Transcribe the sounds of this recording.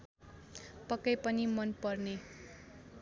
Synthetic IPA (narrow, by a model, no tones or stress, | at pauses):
pʌkːʌjpʌnimʌnpʌrne